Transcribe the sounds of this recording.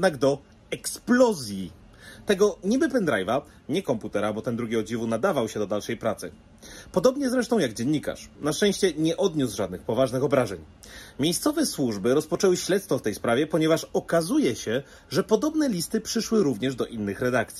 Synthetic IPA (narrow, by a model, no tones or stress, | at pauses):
jɛd̪naɡd̪ɔ | ɛksplɔzʲji | t̪ɛɡɔɲibɘpɛnd̪ɾa̰jva | ɲɛkɔmput̪ɛɾabɔt̪ɛnd̪ɾuɡʲiɔd͡ʑivunad̪avawɕɛd̪ɔd̪alʂɛjpɾat̪sɘ̰ | pɔd̪ɔbɲɛzɾɛʂt̪ɔ̃w̃jaɡd͡ʑɛɲːika̰ʂnaʂt͡ʂɛ̃w̃ɕt͡ɕɛɲɛʔɔd̪ɲusʐad̪nɘxpɔvaʐnɘxɔbɾaʐɛɲ | mʲejst̪sɔvɛswuʐbɘɾɔspɔt͡ʂɛwɘɕlɛt̪st̪fɔft̪ɛjspɾavʲjɛpɔɲɛvaʂɔkazujɛɕɛ | ʐɛpɔd̪ɔbnɛlʲist̪ɘpʂɘʂwɘɾuvɲɛʐd̪ɔʔinːɘxɾɛd̪akt̪sʲi̥